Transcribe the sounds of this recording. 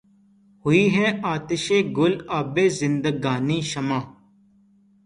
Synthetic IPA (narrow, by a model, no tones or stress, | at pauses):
hʊiːɦɛ̃ːaːt̪ɪʃẽːɡʊlaːbeːzɪnd̪əɡaːniːʃəmãː